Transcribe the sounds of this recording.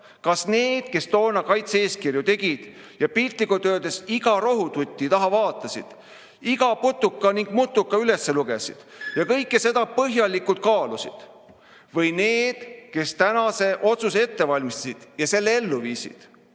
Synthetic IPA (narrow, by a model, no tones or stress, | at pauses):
kɑsne̞ːd̪̥ke̞st̪o̞ːnɑkɑjt̪seeːskirjut̪e̞ɡ̥id̪̥ | jɑpilt̪likut̪ø̞ːd̪e̞siɡɑɾo̞ɦut̪ut̪ʲːit̪ɑɦɑvɑːt̪ːˑɑsḭd̪̥ | iɡɑput̪ːukːɑniŋɡ̥mut̪ˑːukːɑyle̞sːe̞luɡe̞sḭd̪̥jɑkɤjkːese̞d̪ɑpɤɦjɑlikːˑult̪̚kɑːlusḭd̪̥ | vɤjne̞ːd̪̥ke̞st̪ænɑse̞ʔo̞t̪suse̞t̪ːe̞vɑlʲmist̪ɑ̥sid̪̥jɑse̞lːee̞lːuviːsḭd̪̥